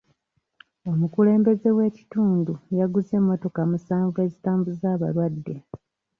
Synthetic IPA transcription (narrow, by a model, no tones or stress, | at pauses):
o̞mukule̞ːmbe̞ze̞we̞ːci̥tuːndujaɡuze̞mːo̞to̞kamusaːɱvue̞zitaːɱvuzaːβa̰ɾwadːe̞